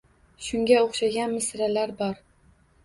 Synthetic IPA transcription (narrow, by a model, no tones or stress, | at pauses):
ʃʊŋɡʲaoχʃaɡʲanmɪsɾalaɾbɒɾ